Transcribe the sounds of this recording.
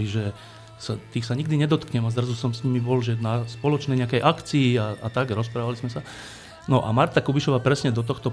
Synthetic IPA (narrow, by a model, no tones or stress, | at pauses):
iʒɛ | sat̪iːxsaɲiɡd̪iɲɛd̪ɔt̪kɲɛmazd̪razusɔmsɲimibɔlʒɛnaspɔlɔt͡ʃnɛjɲɛakɛjʔakt͡siːaat̪aɡɾɔspɾaːʋalizmɛsa | nɔʔa̰maɾt̪akubiʃɔʋaːpɾɛsɲɛd̪ɔt̪̬ɔxt̪ɔ